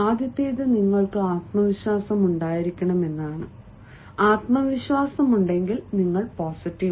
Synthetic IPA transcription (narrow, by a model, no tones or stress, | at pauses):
aːd̪jɐt̪ːeːðɨniŋːɐɭkɨaːt̪̚mɐʋiɕwaːsɐmuɳɖaːjiɾikʲːɐɳɐme̞nːaːɳɨ | aːt̪mɐʋiɕwaːsɐmuɳɖe̞ŋɡilniŋːɐɭpoːsiʈːi